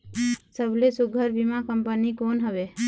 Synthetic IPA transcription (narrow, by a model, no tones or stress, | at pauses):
səblesʊɡʱəɾbimãkəmpənikoːnɦəʋe